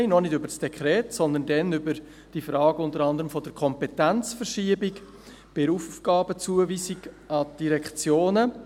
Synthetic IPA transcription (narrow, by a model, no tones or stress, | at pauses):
ɪnɔnɪdʏbəɾsd̥ɛkχɾɛːtsɔnd̪əndɛnʏbəɾ | d̥ifɾɑːɡ̥əʊntəɾɑnd̪əɾəmfɔd̥əɾkʰɔmpɛtænt͡sfəɾʃiːəbɪk | b̥ɪɾuːfufɡ̥ɑːbət͡suəviːsiɡ | ɑd̥iɾɛkt͡sjoːnə